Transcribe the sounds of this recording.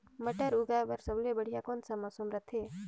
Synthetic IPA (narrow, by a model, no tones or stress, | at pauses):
məʈəɾuɡaːbəɾsəblebəɽ̤ijakoːnsamaːsumɾət̪ʰeː